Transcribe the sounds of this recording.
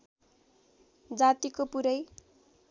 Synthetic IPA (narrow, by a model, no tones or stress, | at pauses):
d͡zat̪ikopuɾʌj